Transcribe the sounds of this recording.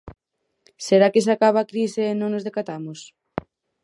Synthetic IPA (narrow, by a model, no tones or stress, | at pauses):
seɾakesakaβaːkɾiseːnõŋnozðekat̪amos